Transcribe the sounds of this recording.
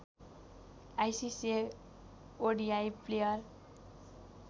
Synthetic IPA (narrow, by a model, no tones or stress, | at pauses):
ajsise | oɖiajplejʌr